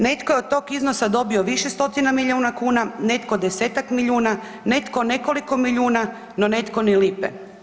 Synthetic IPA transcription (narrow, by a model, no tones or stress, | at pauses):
ne̞t̪kojeot̪̚t̪ːo̞ːkizno̞sad̪o̞bio̞ʋiʃest̪o̞t̪inamiʎʲuːnakuːnane̞t̪ko̞d̪eseːt̪akmiʎuːna | ne̞t̪kone̞ko̞liko̞miʎuːna | none̞t̪ko̞nilipḛ